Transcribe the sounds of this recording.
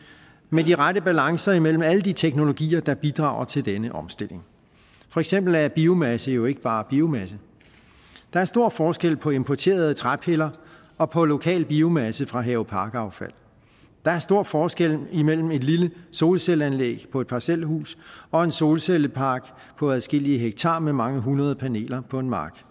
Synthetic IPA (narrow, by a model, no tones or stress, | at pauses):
mediʁaɾəb̥ælɑ̈ŋsɐimel̰m̩æləd̥it͡sʰeɡ̥no̝lo̝ɡ̥ḭːɐd̥ɑ̈b̥id̥ʁɑ̈ːʊɐt͡sʰe̝ld̥enəʔɒ̽msd̥e̝l̰e̝ŋ | fɒ̽eɡ̥semb̥l̩æɐb̥io̝mæsəjo̝e̝ɡ̥əb̥ɑ̈ːb̥io̝mæsə | d̥ɑ̈æɐsd̥o̝ɐ̰fɒːsɡ̥el̰pʰɒ̽e̝mpʰɒt͡sʰe̝̰ːɐð̩ˠət͡sʰʁab̥helɐ | ɒ̽pʰɒ̽lo̝kʰɛ̰ːlb̥io̝mæsəfʁɑ̈ɦɛʊpʰɑ̈ːɡ̥əɑ̈ʊfæl̰ | d̥ɑ̈æɐsd̥o̝ɐ̰fɒːsɡ̥el̰imel̰m̩e̝d̥liləso̝ːlselænlḛːɡ̥pʰɒ̽e̝d̥̚pʰɑ̈sel̰hṵːsɒ̽e̝nso̝ːlseləpʰɑ̈ːɡ̥ | pʰɒ̽æðˠsɡ̥e̝l̰iəɦeɡ̥̚t͡sʰɑ̈ːmemɑ̈ŋəɦunɐð̞ˠəpʰæne̝̰ːlɐpʰɒ̽e̝nmɑ̈ːɡ̥